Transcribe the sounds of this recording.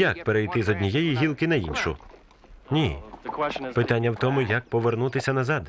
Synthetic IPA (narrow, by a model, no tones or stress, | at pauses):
jɐk̚peɾejt̪ɪzɔd̪ʲnʲijɛjiɦʲilˠkɪnɐḭnʃʊ̰ | nʲi | pɪt̪anʲːɐwt̪ɔmʊjɐk̚pɔʋernut̪ɪsʲɐnɐzɑd̪